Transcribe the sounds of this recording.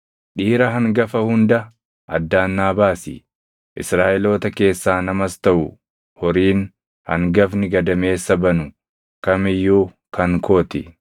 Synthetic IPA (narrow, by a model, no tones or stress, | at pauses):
ᶑiːɾɐɦɐŋɡɐfɐhʊnd̪ɐ | ʔɐ̰d̪ːaːnːaːbaːsḭ | ʔɪsɾaːʔɛlo̞ːt̪ɐke̞ːsːaːnɐmɐst̪ɐʔʊ | hɔɾiːn | hɐ̰ŋɡɐfnɪɡɐd̪ɐme̞ːsːɐbɐnʊ | kɐmɪjːuː | kɐŋkoːt̪ɪ̰